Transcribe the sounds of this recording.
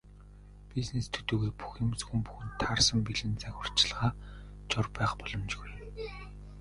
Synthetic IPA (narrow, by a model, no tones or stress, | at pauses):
piznest̪ʰɵt̪uːɣeːpu̥xĭmsxŭmpu̥xɘ̆nt̪ʰːarsə̆mpiɮɘ̆nt͡sæxʲʊ̆r̥t͡ɕɪ̆ɮʁaː | t͡ɕɔrpæːχpɔɮɞ̆mt͡ɕɣuj